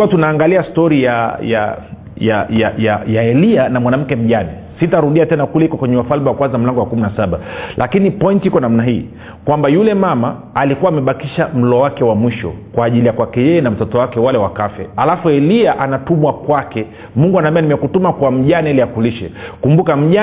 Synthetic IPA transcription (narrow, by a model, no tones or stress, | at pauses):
uatunaːŋɡaliastɔɾijaja̰ | jajajajaɛlianamwanam̩kɛm̩ʄanɛ̰sitaɾuɗiatɛnakulɛhikɔkwɛɲɛwafalmɛwakwanzam̩laŋɡɔwakuminasaɓalʔakinipɔintihikɔnam̩naɦiː | kwambajulɛmamaː | likuwaːmɛɓakiʃam̩lɔwakɛwamwiʃɔ̰kwaːʄilijakwakɛjɛjɛnam̩tɔtɔwakɛwalɛwakafɛalafuɛliaʔanatumwakwakɛ | muŋɡuanaːmbianimɛkutumakwam̩ʄanaɛliakuliʃɛ̰kumbukam̩ʄa